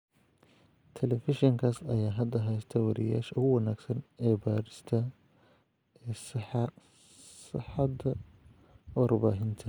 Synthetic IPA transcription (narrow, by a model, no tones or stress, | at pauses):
t̪ʰɛlɛfɪʃɪŋkʰaːsɐjaːɦɐd̪ɐɦɛjst̪ʰɐwɑɾja̰ːʃʊwɐnaːɡsɐnɛbaːɾɪst̪ʰɐ | ɛːsɪħɑ | sɪħɑd̪ɐ | wɑrbaːɦɪnt̪ʰɐ